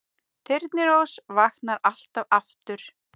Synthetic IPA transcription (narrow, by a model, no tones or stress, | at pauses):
t̪ʰɪɾt̪nɪɾowsvaxnaɾal̥t̪avaft̪ʏɾ̥